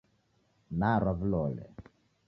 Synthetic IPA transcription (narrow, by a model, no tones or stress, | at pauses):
naɾavlɔlɛ̰